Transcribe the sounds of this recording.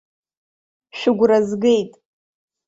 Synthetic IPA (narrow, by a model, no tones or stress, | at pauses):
ʃᶣʊɡʷrazɡe̞jtʼ